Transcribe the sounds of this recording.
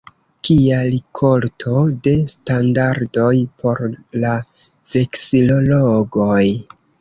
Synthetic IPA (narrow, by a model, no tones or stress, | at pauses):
kialikʰo̞ltʰo̞de̞standaɾdo̞jpʰo̞ɾla | ve̞ksilo̞loɡoj